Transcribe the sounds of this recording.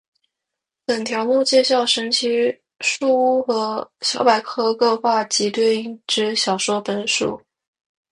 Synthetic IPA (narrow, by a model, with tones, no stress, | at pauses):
pə˨˩nt̪ʰjɑ˧˥ʊmu˥˧t͡ɕjɛ˥˧ɕ̬jɑ˥˩ʊʂə˧˥nt͡ɕʰi˥ | ʂu˥˧u˥˩xɤ˧˥ɕjɑ˧˥ʊpa˨˩ɪkʰɤ˥˧kɤ˥˧xwa˥˩t͡ɕi˧˥t̪we˥˧ɪi˥˩ŋʈ͡ʂɻ̩˥ɕjɑ˨˩ʊʂwɔ˥pə˨˩nʂṵ˨˩˦